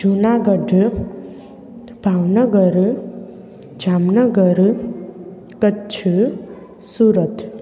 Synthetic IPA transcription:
d͡ʒʱunaɡʌɖʱ | bʱawnʌɡʌɾ | d͡ʒʱamnʌɡʌɾ | kʌt͡ʃʰu | suɾət̪ʰ

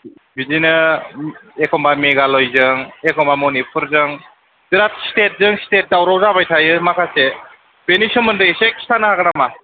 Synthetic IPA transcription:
bizinɯ | ekʰɔmbameɡalojzɯŋekʰɔmbamonipʰuɾzɯŋ | diɾat̚stet̚zɯŋstet̚dawɾɔwzabajtʰajɯmakʰase | benisɯmɯndɯseki̥stʰanahakɯnama

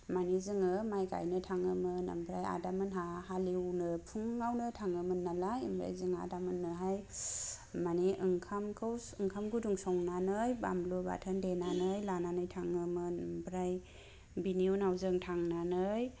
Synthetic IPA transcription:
manizɯŋɯmajka̰jnɯtʰaŋɯmɯna̰mbʰɾaja̰damɯnɦahaliwnɯpʰuŋːawnɯtʰaŋɯmɯnːalajɯ̰mbʰɾa̰jzɯŋa̰damɯnːɯɦaj | maniʔɯŋkʰamkʰɯwɯŋkʰamɡɯduŋsɔŋnanɯjba̰mbluba̰tʰandenanɯjlananɯjtʰaŋɯmɯnambʰɾaj | biniunawzɯŋtʰaŋnanɯj

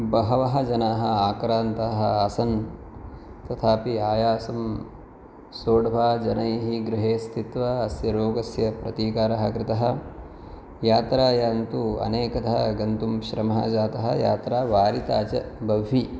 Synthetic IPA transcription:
bɐɦɐʋɐɦɐd͡ʒɐnaːɦɐaːkɾaːnt̪ɐːɦɐɐsɐn | t̪ɐt̪ʰaːpiaːjaːsɐm | soːɽʋʱaːd͡ʒɐnɐjɦiɡɾɪɦeːst̪ʰit̪ʋɐːsjɐɾoːɡɐsjɐpɾɐt̪iːkaːɾɐɦɐkɾɪt̪ɐɦɐ | jaːt̪ɾaːjaːnt̪uɐ̰neːkɐt̪ɐɦɐɡɐnt̪umʃɾɐmɐɦɐ̰d͡ʒaːt̪ɐɦɐ̰̆jaːt̪ɾaːʋaːɾit̪aːt͡ʃɐbɐʋɦi

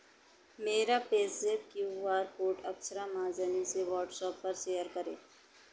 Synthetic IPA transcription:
meːɾapeːseːp̚kjuːʋaːɾkoːʈɐksɾamãːzəniseʋɔːɾʈsɔːpːɐɾʃeːjəɾkɐɾḛː

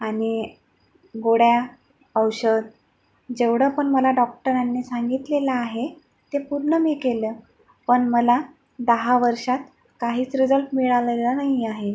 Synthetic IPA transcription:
aɽ̃i | ɡoɽja | əwɕəd̪ | d͡ʑeʋɽəpəɳməlaɖɔk̚ʈəɾanːiːsaŋɡit̪lelaːɦe | t̪epuɾɳəmiːkelə | pəɳməla | d̪əɦaʋəɾʂat̪ | kaɦiːt͡sɾid͡zəlpmiɭalelanaɦiaɦe

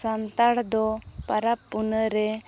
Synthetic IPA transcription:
ant̪aɽd̪ɔ | paɾapːunəɾɛ

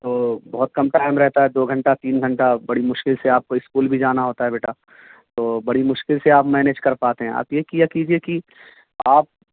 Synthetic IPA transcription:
t̪oːbɐɦʊt̪̚kɐmʈaːɪmɾɛɦt̪aɦɛd̪oːɡʱɐ̃ɳʈat̪iːnɡʱɐ̃ɳʈabɐɽimʊʃkɪlseaːp̚koɪskuːlbʱid͡ʒaːnaɦoːt̪aɦɛbeːʈaː | t̪oːbɐɽimʊʃkɪlseaːpmɛːneːd͡ʒkɐɾpaːt̪eɦɛ̃a̰ːpjekijakiːd͡ʒieki | aːp̚

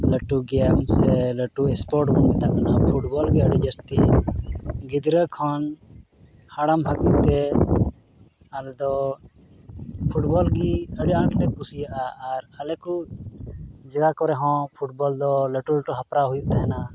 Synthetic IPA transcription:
ləʈuɡɛmsɛləʈuɛspɔɾʈmɔnmɛt̪aʔkanapʰuʈbɔlɡɛəɽid͡ʒəst̪i | ɡid̪ɾəkʰɔn | haɽamɦakut̪ɛ | alɛd̪ɔ | pʰuʈbɔlɡiəɽiãʈlɛkusijaʔaːɾalɛku | d͡ʒɛɡakɔɾɛɦɔ̃pʰuʈbɔld̪ɔləʈuləʈuɦapɾaɦujuʔt̪aɦɛna

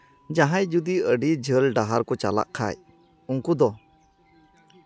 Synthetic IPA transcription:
d͡ʒaɦãjd͡ʒud̪iəɖid͡ʒəlɖaɦaɾkɔt͡ʃa̰la̰ʔkʰa̰j | uŋkud̪ɔ

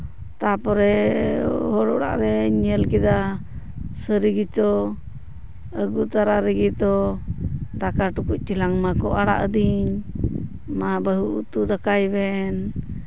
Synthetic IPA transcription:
t̪apɔɾɛ | hɔɽɔ̰ɽa̰ʔɾɛɲɛlkɛd̪a | səɾiɡit͡ʃɔ | əɡut̪aɾaɾɛɡit̪ɔ | d̪akaʈukuc̚ˀt͡ʃilaŋmakɔʔaɽa̰ʔəd̪iɲ | mabəɦuut̪ud̪akajbɛn

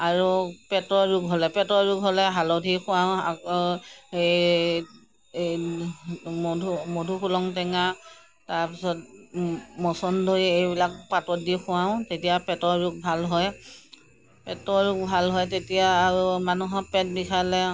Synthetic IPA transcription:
aɹupɛtɔɹuɡɦolɛpɛtɔɹuɡɦolɛɦalɔdʱixʰʊ̃waw̃ak | e | modʱumodʱuxulɔŋtɛŋa | taɹpisɔt̚ | mɔsɔndojejbilakpatɔdixʰʊ̃waʊ̃tetijapɛtɔɹɹuk̚bʱalɦɔj | pɛtɔɹuk̚bʱalɦɔjtetijaːɹumanuɦɔpɛt̚bikʰalɛ

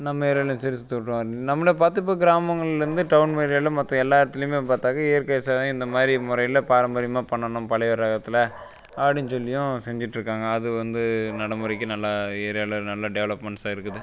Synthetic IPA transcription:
nɐmːɐeːɾjaːlj̃sɐɾist̪ːɯʈːʋnɐmːɐɭijɐpaːɾt̪̬ːɯpːoːɡɪɾaːmɐŋɡɐɭɾɯnd̪ɯʈɐʋʊnmeɾjɐlɐmɐt̪ːɐ̃ɛlːaːɪɾɐt̪ːɪlmeːpaːɾt̪aːŋɐeːɾkɐjɐsaːjʊ̃ɪnd̪ɐmaːd̪ɾimʊɾɐɪɪlɐpaːɾɐmbɐɾɪmaːpɐɳːɐɳʊ̃mpɐɭɛɪʋɐɾɐɣɐt̪ːɪlɐ | ɐpɐɽɪɲːɯsɔlːɪjʊ̃sɛɲd͡ʒɪʈːɪɾɯkːaːŋɡɐːðɯʋɐnd̪ɯnɐɽɐmɯɾɐɪk̬ːɯnɐlːaeːɾjaːlɐnɐlːɐɖɛʋɐɭɐpmɛɳʈsaːɪɾɯkːɐðɯ

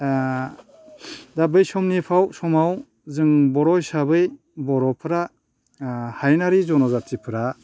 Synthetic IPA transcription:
dabɯjsɔmnipʰawsɔmaw | zɯŋbɔɾɔjsabɯj | bɔɾɔpʰɯɾa | hajnaɾizɔnɔzatʰipʰɯɾa

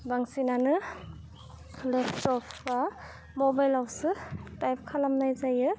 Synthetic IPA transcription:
baŋsinanɯ | lepʰtɔpʰba | mobajlawsɯtajp̚kʰalamnajzajɯ

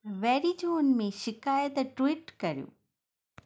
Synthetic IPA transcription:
ʋɛːɾid͡ʒoːnmẽʃɪkaːjət̪ʈʋiːʈkɐɾijo̰ː

